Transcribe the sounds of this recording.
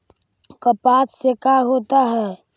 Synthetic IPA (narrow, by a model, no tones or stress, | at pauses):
kəpaːssekaɦoːt̪aɦɛː